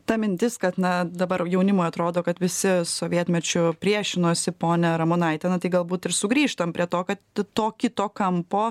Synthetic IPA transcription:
t̪ɐmʲɪnʲt̪ʲɪskɐt̪nɐd̪ɐbɐɾjɛʊnʲɪmoːjɐt̪ɾoːd̪oːkɐt̪ʋʲɪsʲɪsoːʋʲiɛt̪ʲmʲɛt͡ʃʲʊpʲɾʲiɛʃʲɪnoːsʲɪpoːnʲɛɾɐmʊnɐɪt̪ʲɛnɐt̪ɐɪɡɐlˠbuːt̪ɪɾsʊɡɾʲiːʃt̪ɐmpʲɾʲiɛt̪oːkɐt̪t̪oːkʲɪt̪oːkɐmpoː

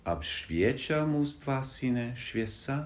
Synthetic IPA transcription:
ʔa̰pʃvjɛt͡ʃalmust̪vasinɛʃvʲjɛsa

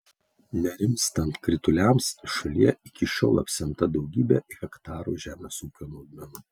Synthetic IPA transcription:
nʲɛɾʲɪmʲst̪ɐnt̪kɾʲɪt̪ʊlʲæˑmsʃɐlʲiɛɪkʲɪʃʲo̰ːlˠɐ̰pʲsʲɛnt̪ɐd̪ɒʊɡʲiːbʲɛɪɣʲɛkt̪ɑːɾṵːʒʲæːmʲɛsuːkʲoːnoːɡ̪mʲɛnuː

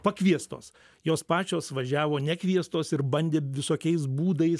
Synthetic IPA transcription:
pɐkʋʲiɛst̪o̰ːs | joːspɑːt͡ʃʲoːsʋɐʒʲæːʋoːnʲɛkʋʲiɛst̪oːsɪɾbɐnʲd̪ʲeːʋʲɪsoːkʲɛɪs̬buːd̪ɐɪs

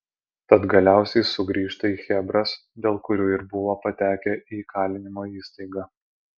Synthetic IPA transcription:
t̪ɐt̪ɡɐlʲæˑʊsʲɛɪsʊɡɾʲiːʃt̪ɐiːxʲɛbɾɐs | d̪ʲeːlˠkʊɾʲuːɪɾbʊʋoːpɐt̪ʲæːkʲɛʔikɑːlʲɪnʲɪmoːiːst̪ɐɪɡɑː

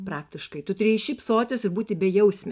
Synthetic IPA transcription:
pɾɑːkt̪ʲɪʃkɐɪt̪ʊt̪ɾʲiɛʃʲiːpsoːt̪ʲoːsɪɾbuːt̪ʲɪbʲɛjɛʊsʲmʲɛ

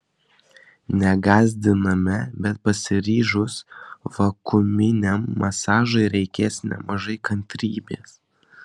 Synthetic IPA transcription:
nʲɛɡɑːzʲd̪ʲɪnɐmʲɛbʲɛt̪̚pɐsʲɪɾʲiːʒʊsʋɐkʊmʲɪnʲɛmːɐsɑːʒɐɪɾʲɛɪkʲeːsnʲɛ̰mɐʒɐɪkɐnʲt̪ʲɾʲiːbʲeːs

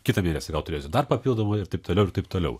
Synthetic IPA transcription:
kʲɪt̪ɐmʲeːnʲɛsʲɪɡɐlˠt̪ʊɾʲeːsʲʊd̪ɐrpɐpʲilˠd̪oːmoɪɾt̪ɐɪp̚t̪oːlʲɛʊɪɾt̪ɐɪp̚t̪oːlʲɛ̰ʊ

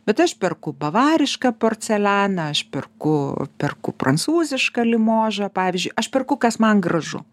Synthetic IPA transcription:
bʲɛt̪ɐʃpʲɛrkʊbɐʋɑːɾʲɪʃkɐpoːrʲt̪sʲɛlʲæːnɐɐʃpʲɛrkʊpʲɛrkʊprɐnsuːzʲɪʃkɐlʲɪmoːʒɐpɑːʋʲɪzʲd͡ʒʲʊɪʔɐʃpʲɛrkʊkɐsmɐnɡrɐʒʊ̰

